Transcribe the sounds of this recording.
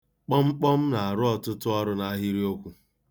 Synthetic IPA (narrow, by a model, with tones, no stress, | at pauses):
k͡pɔ˦ŋ͡m̩˦k͡pɔ˦m̩˦na˨a˨ɾʊ˦ɔ˦tʊ˦tʊ˦ɔ˦ɾʊ˦na˨˦ɦi˦ɾi˦o˦kʷu˨